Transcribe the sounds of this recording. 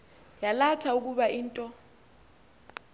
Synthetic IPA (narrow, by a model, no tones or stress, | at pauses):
jalatʰauk̬uɓaiːntʼɔ